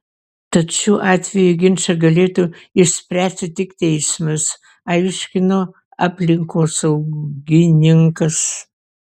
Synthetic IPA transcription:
t̪ɐt̪ʃʲuːʔɑːt̪ʲʋʲɛjuɡʲɪnʲt͡ʃɐɡɐlʲeːt̪uɪʃʲsʲpʲɾʲæːsʲtʲɪt̪ʲɪkt̪ʲɛɪsmɐs | ɐɪʃʲkʲɪnoː | ɑːpʲlʲɪŋkoːsɐʊɡʲɪnʲɪŋkɐs

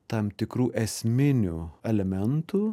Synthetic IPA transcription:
t̪ɐmt̪ʲɪkɾuːʔɛsʲmʲɪnʲṵɛlʲɛmʲɛnt̪uː

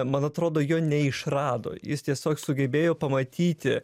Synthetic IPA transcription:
mɐnɐt̪ɾoːd̪oːjoːnʲɛɪʃrɑːd̪o̰ːjɪst̪ʲiɛsʲoːksʊɡʲɛbʲeːjoːpɐmɐt̪ʲiːt̪ʲɪ

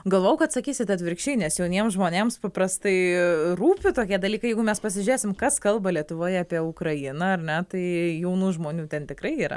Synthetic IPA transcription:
ɡɐlˠʋoːjɛʊkɐt̪sɐkʲiːsʲɪt̪ɐt̪ʲʋʲɪɾʲkʃʲɛɪnʲɛsjɛʊnʲiɛmsʒmoːnʲeːmspɐpɾɐst̪ɐɪruːpʲɪt̪oːkʲiɛd̪ɐlʲiːkɐɪjɛɪɡʊmʲɛspɐsʲɪʒʲʊɾʲeːsʲɪmkɐskɐlˠbɐlʲiɛt̪ʊʋoːjɛɐːpʲiɛʊkɾɐjɪnɐɐrnʲɛt̪ɐɪjɛʊnuːʒmoːnʲuːt̪ʲɛnt̪ʲɪkɾɐɪiːɾɐ̰

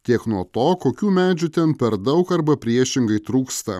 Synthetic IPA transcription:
t̪ʲiɛknuɔt̪oːkoːkʲuːmʲæːd͡ʒʲʊt̪ʲɛnpʲɛɾd̪ɐʊkɐɾbɐpʲɾʲiɛʃʲɪŋɡɐɪt̪ɾuːkst̪ɐ̰

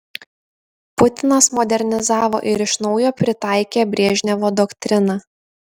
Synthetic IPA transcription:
pʊt̪ʲɪnɐsmɔd̪ʲɛɾʲnʲɪzɑːʋo̰ːʔɪɾɪʃnɒʊjoːpʲɾʲɪt̪ɑˑɪkʲeːbʲɾʲiːʒʲnʲɛʋoːd̪ɔkt̪ʲɾʲɪnɑː

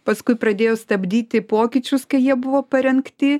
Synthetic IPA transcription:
pɐskʊɪpɾɐd̪ʲeːjoːst̪ɐbʲd̪ʲiːt̪ʲɪpoːkʲɪt͡ʃʲʊskɐɪjiɛbʊʋoːpɐɾʲɛŋkt̪ʲɪ

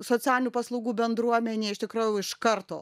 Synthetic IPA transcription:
soːt͡sʲæːlʲɪnʲuːpɐslˠɐʊɡuːbʲɛnd̪ɾuɔmʲɛnʲeːɪʃt̪ʲɪkɾɐjʊɪʃkɐrt̪o̰ː

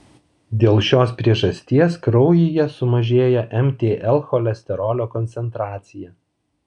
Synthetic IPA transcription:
d̪ʲeːlˠʃʲoːspʲɾʲiɛʒɐsʲt̪ʲiɛskɾɒʊjɪjɛsʊmɐʒʲeːjɛʔɛmʲt̪ʲeːʔɛlˠxɔlʲɛsʲt̪ʲɛɾɔːlʲoːkɔnʲt̪sʲɛnt̪ɾɑːt̪sʲɪjɛ

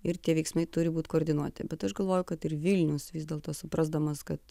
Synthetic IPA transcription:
ɪɾt̪ʲiɛʋʲɛɪksmɐɪt̪ʊɾʲɪbuːt̪koːɾʲd̪ʲɪnuɔt̪ʲɪ̰bʲɛt̪ɐʃɡɐlˠʋoːjʊkɐt̪ɪrʋʲɪlʲnʲʊsʋʲiːzd̪ʲɛːlˠt̪oːsʊpɾɐzd̪ɐmɐskɐt̪

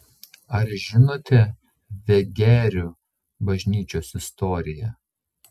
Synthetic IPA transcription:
ɐɾʒʲɪnoːt̪ʲɛ | ʋʲɛɡʲæːɾʲʊ | bɐʒʲnʲiːt͡ʃʲoːsɪst̪ɔːɾʲɪjɛ

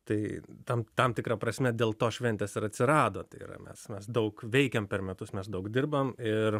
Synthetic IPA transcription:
t̪ɐɪt̪ɐmt̪ɐmt̪ʲɪkɾɐpɾɐsʲmʲɛd̪ʲeːlˠt̪oːʃʲʋʲɛnʲt̪ʲesɪɾɐt̪ʲsʲɪɾɑːd̪oːt̪ɐɪḭɾɐ̰mʲɛ̰smʲɛsd̪ɐʊkʋʲɛɪkʲɛmpʲɛrmʲɛt̪ʊsmʲɛsd̪ɐʊkd̪ʲɪrbɐmɪr

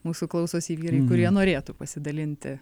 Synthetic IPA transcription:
muːsuklˠɐʊsoːsiːʋʲiːɾɐɪkʊɾʲiɛnoːɾʲeːt̪upɐsʲɪd̪ɐlʲɪnʲt̪ʲɪ̰

